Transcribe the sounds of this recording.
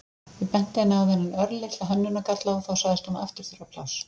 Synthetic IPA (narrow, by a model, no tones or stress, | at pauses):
vɪpɛn̥t̪ɪɛnːɪawðɛnːɪnœɾlɪt̪aðɦœnːʏnakat̪laɔθawsaɣðɪst̪unaaft̪ɪɾ̥θʏɾapʰla̰ws